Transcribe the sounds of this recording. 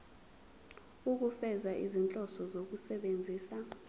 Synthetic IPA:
uk̬ufɛzaʔḭzint͡ɬʼɔsɔzok̬usɛɓend͡zʱiːsa

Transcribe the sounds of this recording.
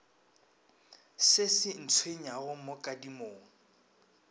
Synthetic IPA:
sɪsɪn̩t͡sʰweɲaɣʊmʊkʼadimoːŋ̩

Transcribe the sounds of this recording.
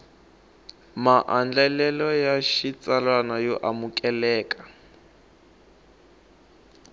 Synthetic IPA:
maʔand͡ɮɛlɛlɔjaʃit͡sʼalwanajɔʔamukʼɛlɛːkʼḁ

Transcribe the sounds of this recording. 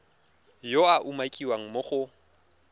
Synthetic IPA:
joaʔumakʼiwaŋ̩moχʊ

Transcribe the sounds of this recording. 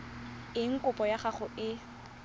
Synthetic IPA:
ɪŋ̩kʼʊpɔjaχaχʊʔɪ

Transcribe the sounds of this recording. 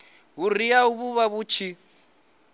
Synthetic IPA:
ɦuriauβuβaβuːt͡ʃʰi

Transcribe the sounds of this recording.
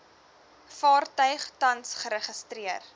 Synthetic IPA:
fɑːrtœɥχtɐnsχəɾəχəstriər

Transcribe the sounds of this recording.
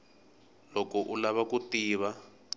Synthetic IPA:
lɔkɔʔulaβakutiːβa

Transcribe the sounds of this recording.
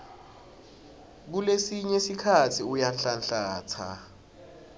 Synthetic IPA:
k̬ulesiɲɛsikʰatʰiujanɬanɬaːt͡sʰa̰

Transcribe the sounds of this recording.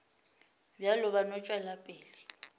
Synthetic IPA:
bjalʊβanɔt͡ʃʼwalapʼeːli

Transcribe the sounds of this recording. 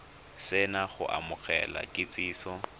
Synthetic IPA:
sɪnaχʊʔa̰mʊɣɛ̰la̰kʼɪt͡sʼiːsɔ

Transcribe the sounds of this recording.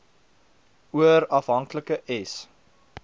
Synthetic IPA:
uəɾɐfɦɐŋkləkəʔɛs

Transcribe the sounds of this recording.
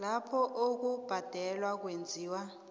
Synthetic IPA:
lapʰɔʔok̬ub̥ʱad̥ʱɛlwak̬wend͡zʱiːwa

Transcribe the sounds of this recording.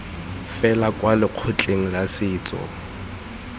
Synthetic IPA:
fɛlakʼwalɪq͡χʰʊt͡ɬʼeŋ̩lasɪːt͡sʼɔ̰

